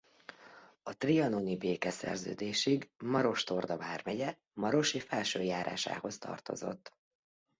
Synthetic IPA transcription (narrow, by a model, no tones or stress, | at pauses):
ɒt̪riɒnonibeːkɛsɛ̰rzø̰ːd̪eːʃiɡmɒɾo̞ʃt̪o̞rd̪ɒvaːrmɛɟɛ | mɒɾo̞ʃiːfɛlʃøːjaːɾa̰ːʃa̰ːho̞st̪ɒ̰rt̪o̞̰zo̞̰t̪ː